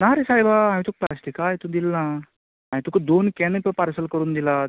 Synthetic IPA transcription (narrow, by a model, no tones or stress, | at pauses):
naɾesajbaãmĩt̪uk̚pla̰sʈikajt̪ũd̪ilna | amĩt̪ukd̪onkɛnəəpaɾsəlkəɾuːnd̪ila